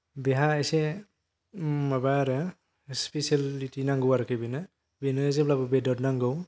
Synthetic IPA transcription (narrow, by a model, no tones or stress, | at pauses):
beɦaːjse | mabaɾɯ | spesalitinaŋɡɯwaɾkʰɯbinɯ | benɯezeblabɯbedɔdnaŋɡɯw